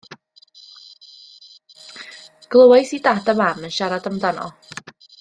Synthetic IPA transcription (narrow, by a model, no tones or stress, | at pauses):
ɡ̥lˠəwajsidadamamənʃaɾadamdanɔ̰